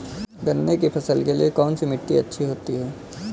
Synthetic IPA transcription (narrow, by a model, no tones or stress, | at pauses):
ɡɐnːekipʰɐsəlkelḭekɔːnsimɪʈːiɐtːʃʰiɦoːt̪iɦɛː